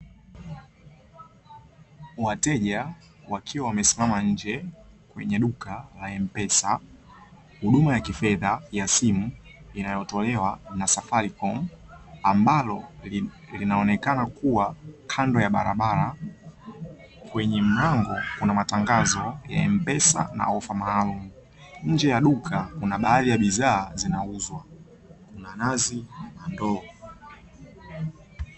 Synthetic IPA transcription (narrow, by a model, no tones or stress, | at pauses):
watɛʄa | wakʰiwawamɛsi̥mamaɲ̩d͡ʒɛkwɛ̰ɲɛɗukalaɛm̩pɛsa | huɗumajakifɛðajasimuinajɔtɔlɛwanasafaɾikɔmambalɔ | linaɔnɛkanakuwakʰandɔjaɓaɾaɓaɾa | kwɛɲɛm̩naŋɡɔkunamataŋɡazɔja̰ɛm̩pɛsa̰na̰ɔfamaːlumu | ɲ̩d͡ʒɛjaɗukʰakunaɓaːðijaɓizaːzinauzwa | kunanazinandɔː